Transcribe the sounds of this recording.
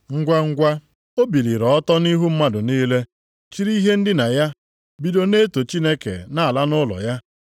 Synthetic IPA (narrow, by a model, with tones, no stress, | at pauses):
ŋ̩˦ɡʷa˦ŋ̩˦ɡʷa˦ | o˦bi˨li˨ɾɔ˨ɔ˦tɔ˦ni˦ɦu˦m̩˦ma˦dʊ˨niː˦le˦ | t͡ʃi˦ɾi˦ɦe˦n̩˦dɪ˦na˨ja˦ | bi˨do˦ne˦to˨t͡ʃi˦ne˦kḛ˨na˦a˨la˦nʊ˦lɔ̰˨ja˦